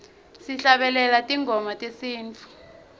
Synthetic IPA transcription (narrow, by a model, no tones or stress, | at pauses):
siɬaɓɛlɛlatʼiŋʱɔmatʼesiːnt͡fʰʼu̥